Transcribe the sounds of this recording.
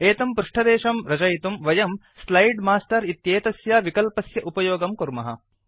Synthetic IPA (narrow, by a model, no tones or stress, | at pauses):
eːt̪ɐmpɾuʂʈʰɐd̪eːʂɐmɾɐd͡ʒɐjt̪umʋɐjɐm | slɐjɖmaːsʈɐɾit̪jeːt̪ɐsjaːʋikɐlpɐsjɐʔupɐjoːɡɐmkuɾmɐɦɐ̰